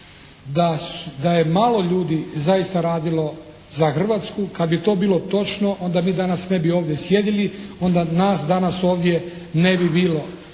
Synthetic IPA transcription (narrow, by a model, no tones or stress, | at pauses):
d̪asd̪ajemaːlˠo̞ʎuːd̪izaist̪aɾaːd̪ilo̞ | zaxr̩ʋat̪skukad̪̚bit̪o̞ːbiːlo̞t̪o̞t͡ʃno̞ʔo̞nd̪amiːd̪anasne̞bio̞ːʋd̪jesje̞d̪ilio̞nd̪anaːsd̪anaso̞ːʋd̪je̞ | ne̞bibiːlo̞